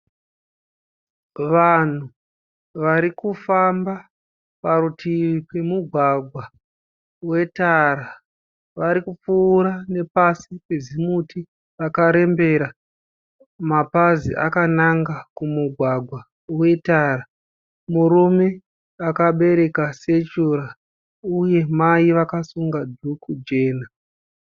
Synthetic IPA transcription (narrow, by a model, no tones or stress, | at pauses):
ʋan̤u | ʋaɾikufamba | paɾutʰipemuɡʱwaɡʱwa | we̞taɾa | ʋaɾikup͡fuːɾane̞pasipezimuti | akaɾe̞mbe̞ɾa | mapazḭʔa̰kanaŋɡakumuɡʱwaɡʱwa | uwe̞tara | muɾume̞ | akaɓe̞ɾe̞kaset͡ʃuɾa | uje̞maiʋakasuŋɡadʱukud͡ʒe̞ːna